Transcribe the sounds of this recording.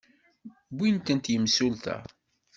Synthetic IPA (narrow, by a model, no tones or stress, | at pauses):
bʷːint̪ənt̪jəmsult̪æ̰